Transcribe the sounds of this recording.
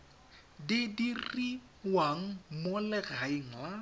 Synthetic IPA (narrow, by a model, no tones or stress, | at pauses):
dɪdiri | waŋ̩molɪɣaiŋ̩la